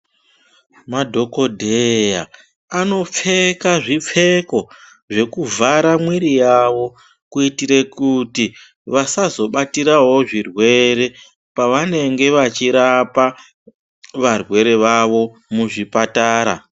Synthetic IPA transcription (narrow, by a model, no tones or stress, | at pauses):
madʱo̞ko̞dʱeja | ano̞p͡fe̞kaʐip͡fe̞ko̞ | ʐe̞kuvʱaɾamwiɾijaʋo̞ | kuitiɾe̞kuti | ʋasazo̞ɓatiɾaɦo̞ʐirwe̞ɾe̞ | paʋane̞ŋɡe̞ʋat͡ʃiɾapa | ʋarwe̞ɾe̞ʋaʋo̞ | muʐipataːɾa̰